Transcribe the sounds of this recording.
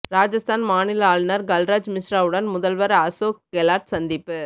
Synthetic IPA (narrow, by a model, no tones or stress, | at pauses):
ɾaːd͡ʒɐst̪aːnmaːnɪlaːlnɐɾɡɐlɾaːd͡ʒmɪsɾaːʋɯɽɐnmʊðɐlʋɐɾɐsoːkɡɛlaːɾʈsɐnd̪ɪpːɯ